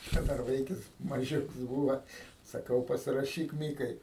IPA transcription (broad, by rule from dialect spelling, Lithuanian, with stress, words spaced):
ˈt͡ʃʲɛ ˈdɐr ˈʋɐɪkʲɪs mɐˈʒʲʊks ˈbuːʋɐ sɐˈkɐʊ pɐsʲɪrɐˈʃʲiːk ˈmʲiːkɐɪ